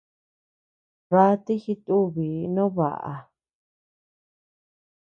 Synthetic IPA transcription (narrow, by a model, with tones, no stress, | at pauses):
βa˧˦t̪i˦xi˧t̪u˦βi˨nõ˦βa̰˨ʔa̰˨